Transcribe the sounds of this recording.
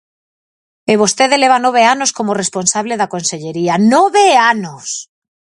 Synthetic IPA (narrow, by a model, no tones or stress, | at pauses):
eβost̪e̞ðele̞β̞anoβe̞ano̞sko̞more̞spo̞nsaβle̞ðako̞nseʎe̞ɾianoβeanos